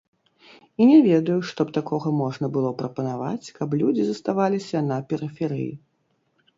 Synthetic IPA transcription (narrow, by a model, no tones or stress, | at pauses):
inʲɛvʲɛd̪ɐjuʂt̪ɔpt̪akɔɣɐmɔʐnɐbɨlˠɔpɾɐpɐnava̰t͡sʲkɐplʲud͡zʲizɐst̪avalʲisʲɐnɐpʲɛɾɨfʲɛɾɨ̰ji